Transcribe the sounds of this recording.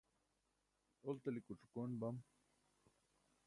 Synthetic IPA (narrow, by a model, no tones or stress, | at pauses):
olt̪ɐlikuʈ͡ʂukonbɐm